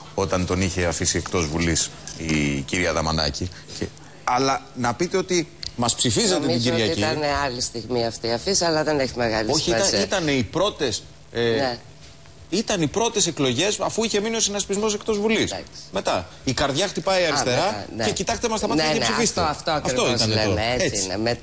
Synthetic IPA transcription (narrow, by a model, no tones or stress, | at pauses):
o̞t̪ɐnt̪o̞niçeɐfisiekt̪o̞zvulis | iciɾiɐðɐmɐ̰nɐ̰ci | ce | ɐlɐnɐpit̪e̞ot̪imɐspsifizɐt̪et̪iɟiɾiɐciɐneɐlist̪iɣmiɐft̪iɐfisiɐlɐðeneçimeɣɐlioçiiɐit̪ɐneipɾo̞t̪es | n | it̪ɐnipɾo̞t̪e̞s̬e̞klo̞ʝe̞sɐfuiçe̞minio̞senɐspizmo̞s̬e̞kt̪o̞zvulisksme̞t̪ɐ | ikɐɾðʝɐxt̪ipɐiiɐɾist̪e̞ɾɐne̞cit̪ɐkt̪emɐst̪ɐmɐɐesifist̪eft̪oɐft̪o̞iɐneoet͡snḛet̪